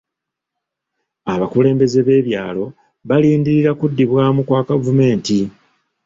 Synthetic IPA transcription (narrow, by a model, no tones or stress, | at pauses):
aβakule̞ːmbe̞ze̞βe̞ːβjaːlo̞ | βaliːndiɾiɾakudːiβwaːmukwaːkavume̞ːnti